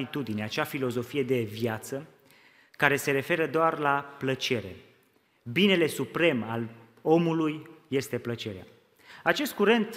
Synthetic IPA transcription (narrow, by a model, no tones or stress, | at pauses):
it̪ud̪ineat͡ʃafilo̞zo̞fije̞d̪e̞vjat̪sə | kaɾe̞se̞ɾe̞fe̞ɾəd̪oarlaplət͡ʃe̞ɾe̞̰ | bine̞le̞supɾe̞mal | o̞mulujːe̞st̪e̞plət͡ʃe̞ɾea̰ | at͡ʃe̞st̪̚kuɾe̞nt̪